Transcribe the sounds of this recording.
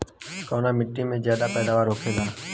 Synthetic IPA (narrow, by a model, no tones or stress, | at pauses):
koːnaːmɪʈːimẽzjaːd̪aːpɛːd̪aːʋaːɾɦoːkʰeːlaː